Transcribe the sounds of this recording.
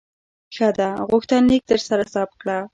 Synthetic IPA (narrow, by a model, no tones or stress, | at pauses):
xad̪aɣʊxt̪anːek̚t̪əɾsaɾasɑp̚kɽa